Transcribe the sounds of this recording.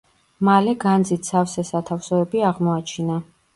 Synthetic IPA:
malɛɡand̪zit̪ʰsafsɛsat̪ʰafsɔɛbiaʁmɔat͡ʃʰina

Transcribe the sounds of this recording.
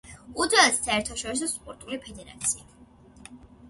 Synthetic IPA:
ud̪assaɛɾt̪ʰaʃɔɾis̬ɔspʼɔɾt̪ʼulipʰɛd̪ɛɾa̰t̪sʰia

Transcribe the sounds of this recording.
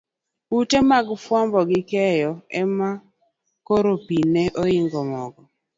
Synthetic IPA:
utemaɡfwambɔɡɪkɛjɔɛma | koɾopineʔoɪŋɡɔmɔɡɔ

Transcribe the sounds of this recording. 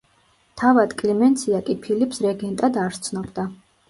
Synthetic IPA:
t̪ʰavad̪kʼlimɛnt̪sʰiakʼipʰilipsɾɛɡɛnt̪ʼad̪aɾt̪sʰnɔbd̪a

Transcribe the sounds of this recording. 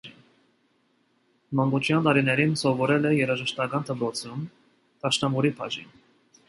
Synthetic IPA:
mɑŋɡut͡ʃʰjɑnt̪ɑɾinɛɾinsɔvɔɾɛlɛjɛɾɑʒəʃt̪ɑkɑnt̪ʰəpɾɔt͡sʰum | t̪ɑʃnɑmɔɾipʰɑ̰ʒḭn

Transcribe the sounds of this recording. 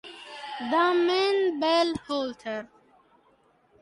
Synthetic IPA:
d̪amẽnbelhoːltʰəɾ

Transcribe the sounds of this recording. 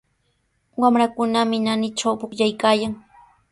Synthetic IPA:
wamɾakʊnamɪnanɪʈ͡ʂawpʊkʎajkaːjaŋ

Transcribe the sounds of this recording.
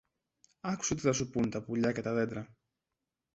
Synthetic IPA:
ɐku̥seot̪iθɐsupunt̪ɐpuʎɐce̞t̪ɐðe̞d̪ɾɐ

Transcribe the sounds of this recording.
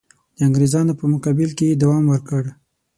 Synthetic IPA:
d̪̥əaŋɡɾezɑnopəmʊkɑbɪlkejed̪awɑmwəɾkəɽ

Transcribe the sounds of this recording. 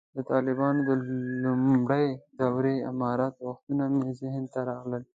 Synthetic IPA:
d̪ət̪ɑlɪbɑnod̪əlummɽəjd̪awɾeɪmɑɾat̪waxt̪unamezɪhənt̪aɾɑɣləl

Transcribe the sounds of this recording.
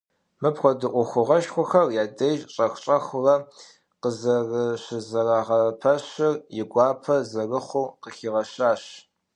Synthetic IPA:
mɨpxʷɔdɨʔʷʊxʷʊʁɐʃxʷʊxɐrjaːdɐjʒɕʼɐxʷt͡ʃʼɐxʷʊrɐ | qəzɐrɨɕɪzɐraːʁɐpʰɐɕɪrjɪɡʷɑːpʰɐzɐrɨχʷʊqəxiʁɐɕaːɕ

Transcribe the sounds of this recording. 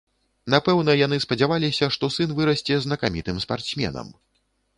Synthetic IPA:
napɛwnɐjanɨspɐd͡zʲavalʲisʲɐʂt̪ɔsɨnvɨɾɐsʲt͡sʲɛznɐkamʲit̪ɨmspart̪smʲɛ̰nɐ̰m

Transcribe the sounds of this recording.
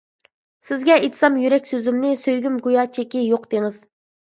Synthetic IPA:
sɪzɡʲɛet̪ʰsɑmjyɾɛkʲsøzymnɪsøjɡʲymɡujɑːt͡ʃʰekʲijoqd̪eŋɨz̥

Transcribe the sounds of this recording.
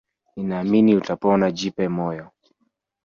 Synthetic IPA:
inaːminiutapɔnad͡ʒipɛmɔjɔ

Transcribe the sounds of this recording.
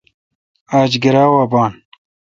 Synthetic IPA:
aːd͡ʑɡiɾaːwaːbaːn

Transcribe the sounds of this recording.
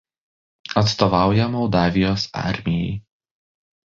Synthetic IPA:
ɐt̪st̪ɔʋɑˑʊjɛmɔʊd̪ɑːʋʲɪjoːsɑ̰ɾʲmʲɪjɛ̰ɪ

